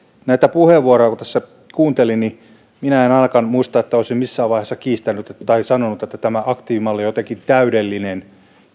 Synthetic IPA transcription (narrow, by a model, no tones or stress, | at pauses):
næit̪æpuheʋːuorojɑkut̪æ̥sːæ | kuːnt̪elini | minæenɑlkɑnmuist̪ɑet̪ːæoˑisimmisːæːʋɑiheːsːɑkiːst̪ænːyt̪et̪ɑisɑnonut̪et̪ːæt̪æmæʔɑkt̪iːʋimɑlːejot̪eŋkint̪æydelːinen